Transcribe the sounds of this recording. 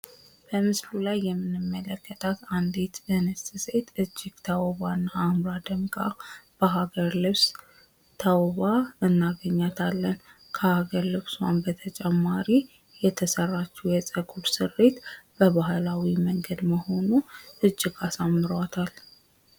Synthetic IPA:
b̥əmɨslulajːɛmːɨnɨmːələkːət̪ʰat̪and̪et̪bənəsɨsejt̪ɨd͡ʒːɪɡ̥t̪ʰawβanːaːmɾad̪əmɡab̥əɦaɡəɾlɨβs | t̪ʰawβaɨnːaɡəɲːat̪ʰalːən | kʰəhaɡəɾlɨβsuwanbət̪ʰət͡ʃʼɛmːaɾi | jɛt̪ʰəsərːat͡ʃːɛwjɛsʼəkʼuɾsɨrːet̪b̥əβahlawiməŋɡəd̪məho̞nuʔɨd͡ʒːɪɡasamːɨɾwat̪ʰal

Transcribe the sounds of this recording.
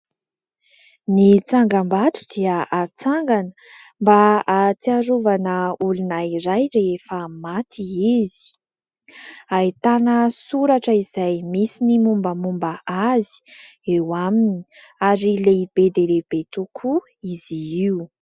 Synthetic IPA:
nit͡saŋɡambat̪u̥d̪̥iaʔat͡saŋɡanəmbaat͡siaɾuvanəulunaiɾajɾeefəmat̪ʰiizi̥ | ait̪anəsuɾaʈ͡ʂəizajmisinimumbəmumbaʔazi̥ewamini̥ | aɾileib̥ed̪eleb̥et̪ukʰu | iziiu

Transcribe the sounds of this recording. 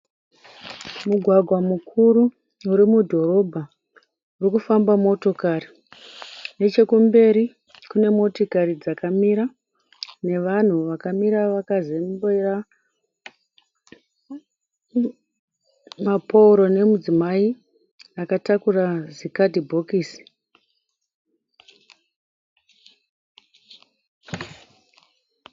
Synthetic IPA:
muɡʱwaɡʱwamukʰuɾu | uɾimudʱo̞ɾo̞bʱa | urikufambamo̞to̞kari | ne̞t͡ʃe̞kumbe̞ɾi | kune̞mo̞tokaɾid͡zakamiɾa | ne̞ʋan̤uʋakamiɾaʋakazembera | mapʰouɾo̞ne̞mud͡zimai | akatakurazikadʱibʱo̞kiːsi̥

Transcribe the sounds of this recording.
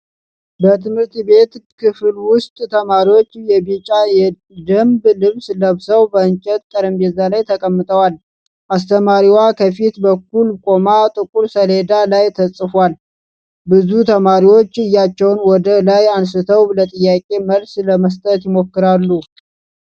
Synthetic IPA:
bət̪ʰɨmhɨɾt̪be̞t̪kʰɨflwʊst̪ʼt̪ʰəmaɾiwo̞t͡ʃːjɛβit͡ʃʼajɛ | d̪əmblɨβsləβsəwbəɨnt͡ʃʼɛt̪̚kʼəɾəmbɛzalajt̪ʰəkʼəmːɨt̪ʼəwal | ʔast̪ʰəmaɾiwakʰəfit̪bəkːulkʼomat̪ʼɨkʼuɾsəle̞d̪alajt̪ʰəsʼɨfʷal | bɨzut̪ʰəmaɾiwo̞t͡ʃːɨjːat͡ʃːɛwnwɔd̪əlajans̬ɨt̪ʰəwlət̪ʼɨjːakʼe̞məlsləməst̪ʼət̪jɪmo̞kːɨɾalːu

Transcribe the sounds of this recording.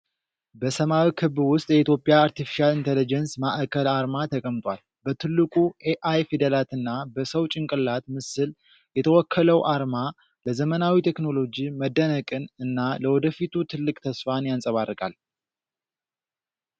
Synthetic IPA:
bəsəmawikʰɨβwʊst̪ʼjɛit̪jo̞pʼːjaːɾt̪ʰifi̥ʃalint̪ʰelid͡ʒɛnsmaʔkʰəlaɾmat̪ʰəkʼəmt̪ʼwal | bət̪ʰɨlːɨkʼuʔeʔajfid̪elat̪ɨnːabəsəwt͡ʃʼɪŋkʼɨlːat̪mɨsɨl | jɛt̪ʰəwɔkʰːələwʔaɾma | ləzəmənawit̪ʰe̞kno̞lo̞d͡ʒiməd̪ːənəkʼɨnɨnːaləwɔd̪əfit̪ʰut̪ʰɨlːɨkʼt̪ʰəsfanjansʼəβarːɨkʼa̰l

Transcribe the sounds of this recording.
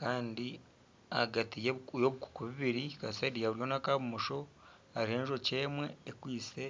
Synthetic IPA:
kaːndi | aɡatijeujoβuku̥kuβiβiɾikasaidijaβuɾjo̞nakaβumuʃo̞ | aɾihe̞ːnʒo̞ce̞ːmwe̞ːkwiːse

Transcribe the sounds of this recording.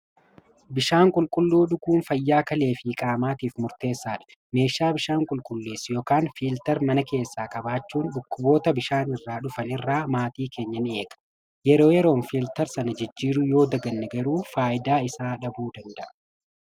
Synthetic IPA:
bɪʃaːŋkʼʊlkʼʊlːuːᶑʊkuːnfɐjːaːkɐle̞ːfiːkʼaːmaːt̪iːfmʊɾt̪e̞ːsːaːᶑɐ̥ | me̞ːʃːaːbɪʃaːŋkʼʊlkʼʊlːeːsjoːkaːnfiːlt̪ɐɾmɐnɐke̞ːsːaːkɐbaːt͡ʃːuːnᶑʊkːʊbo̞ːt̪ɐbɪʃaːnɪrːaːᶑʊfɐnɪrːaːmaːt̪iːkʰe̞ːɲːɐne̞ːkʼɐ̥ | jɛɾo̞ːjɛɾo̞ːnfiːlt̪ɐɾsɐnɐd͡ʒɪd͡ʒːiːɾʊjo̞ːd̪ɐɡɐnːɛɡɐɾuːfaːʔɪd̪aːɪsaːᶑɐbuːd̪ɐnd̪ɐʔɐ̥

